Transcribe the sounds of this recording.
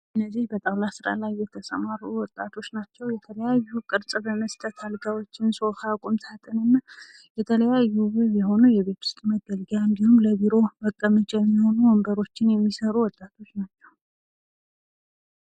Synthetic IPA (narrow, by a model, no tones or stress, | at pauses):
ʔɨnːəzihbət̪ʼawlasɨɾa̰lajːɛt̪ʰəsəmaɾuwɔt̪ʼat̪ʰo̞t͡ʃːnat͡ʃːɛwjɛt̪ʰələjajːuukʼɨɾsʼbəməst̪ʰət̪ʰalɡawo̞t͡ʃːɪnso̞fakʷʼumt̪ʰat̪ʰʼɨnɨnː | jɛt̪ʰələjajːuβɨβjɛɦo̞nujɛβe̞t̪ʰʊ̥st̪ʼməɡəlɡaɨnd̪ihumləβiɾo̞məkʼːəmət͡ʃʼɛjɛmːiho̞nuwɔmbəɾo̞t͡ʃːɪnjɛmːisəɾuwɔt̪ʼat̪ʰo̞t͡ʃːnat͡ʃːɛw